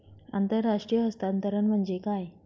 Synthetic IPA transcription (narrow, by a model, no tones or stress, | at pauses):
a̰nt̪əɾːaʂʈɾijəəst̪ant̪əɾənm̤əɳd͡ʑekaj